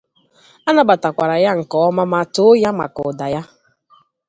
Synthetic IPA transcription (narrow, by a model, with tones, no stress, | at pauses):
a˦na˦ba˨ta˨kʷa˨ɾa˨ja˦ŋ̩˨kɔ˨ɔ˦ma˦ma˦to˦ja˦ma̰˨kʊ̰˨da˨ja˦